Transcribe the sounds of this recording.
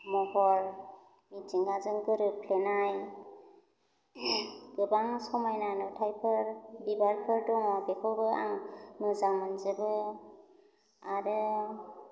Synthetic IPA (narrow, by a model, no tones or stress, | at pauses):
mɔhɔɾ | mitiŋɡazɯŋɡɯɾɯpʰlenaj | ɡɯbaŋsɔmajnanɯtʰajpʰɯɾbibaɾpʰɯɾdɔŋɔbekʰɔwbɯa̰ŋnɯzaŋmɯnzɯbɯ | aɾɯ